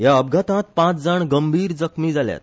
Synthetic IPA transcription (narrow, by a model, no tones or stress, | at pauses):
jaəb̚ɡʱat̪ãt̪̚pãt͡sd͡zaɳɡəmbʱiːɾd͡zəkmiːd͡zalja̰t̪̚